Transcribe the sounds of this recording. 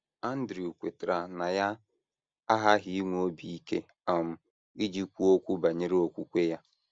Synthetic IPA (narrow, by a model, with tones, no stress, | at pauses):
a˦n̩˦dɾi˨u˨kʷe˨tɾa˨na˨ja˦ | a˦ɦa˦ɦi˦i˦ŋʷu˨˦o˦bi˨i˦ke˦ | a˨m̩˨ | i˦d͡ʒi˦kʷu˦o˦kʷu˦ba˨ɲe˦ɾe˦o˦kʷu˦kʷe˦ja˦